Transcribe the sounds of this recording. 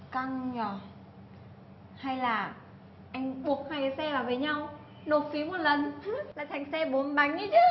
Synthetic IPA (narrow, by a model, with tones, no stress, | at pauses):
ka˧ŋɲɔ˨˩ | ha˧jlaː˨˩ | ʔa˧jŋ̟ɓu˨˩ək̚ha˧jsɛ˧vaː˨˩wvəː˨˦jɲa˧w | no˨˩t̚fi˨˦mo˨˩t̚lə˨˩nlaː˨˩t̪ʰa˨˩jŋ̟sɛ˧ɓo˨˦nɓa˨˦jŋ̟ʔɨ˧˦t͡ɕɨ˨˦